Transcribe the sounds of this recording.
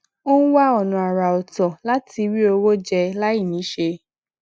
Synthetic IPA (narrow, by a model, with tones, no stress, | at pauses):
o˦ñ̩˦wa˦ɔ˦˨nũ˨a˨ɾa˨ɔ˨tɔ̃˨la˦ti˧wi˦o˧wo˦d͡ʒɛ˧la˦i˦˨nĩ˨˦ʃe˧